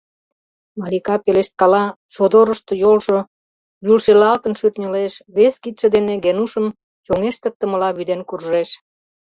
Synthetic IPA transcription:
mɑlikɑpeleʃt̪̚kɑlɑ | sod̪oɾəʃt̪ŏjolʒo | βylʃelɑlt̪ənʃyrnʲəleʃβeskit̪ʃĕd̪eneɡenuʃəm | t͡ɕoŋeʃt̪ə̆k̚t̪ə̆mə̆lɑβyd̪enkurʒeʃ

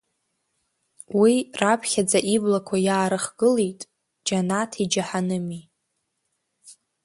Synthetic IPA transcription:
wirapʰχʲad͡zaʔiblakʷʰajaːɾɨχɡ̥ɨlejtʼ | d͡ʒanatʰid͡ʒaħanɨmi

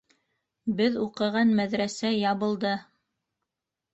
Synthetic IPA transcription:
bɘðuqɤ̆ʁɑnmæðɾæsæjɑβɤ̆lˠd̪ɤ

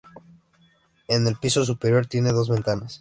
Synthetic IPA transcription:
e̞ne̞lpiso̞s̬upeɾjo̞ɾt̪je̞ne̞ðo̞zβe̞nt̪anas

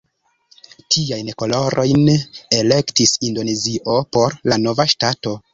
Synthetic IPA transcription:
tʰiajnko̞lo̞ɾʔo̞jnele̞ktisindo̞ne̞ziʔo̞po̞ɾlano̞vaʃtato̞

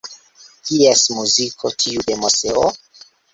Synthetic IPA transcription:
kiesmuzikʰo̞tʰiude̞moseo

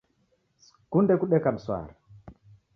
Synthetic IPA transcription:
kundɛkuɗɛkam̩swa̰ːɾa

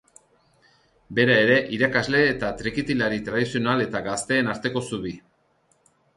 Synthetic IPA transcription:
be̞ɾae̞ɾe̞ʔiɾakazle̞ːt̪at̪ɾekit̪ilaɾit̪ɾaðisio̞nale̞t̪aɡast̪e̞ːnaɾt̪e̞ko̞suβi

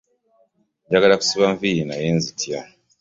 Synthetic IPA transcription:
ɲɟaɡalaku̥siβaːɱfijinajeːnzitja

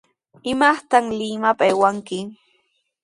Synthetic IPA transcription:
ɪmaχt̪aŋlɪmapaewaŋkɪ

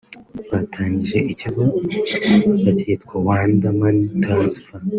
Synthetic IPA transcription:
watʰaːɲɟiʒe̞ʔiciɡo | βatʰitkowaːndamanitʰazifa

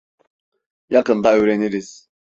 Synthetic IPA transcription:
jakɯnd̪aøjɾeniɾiz̥

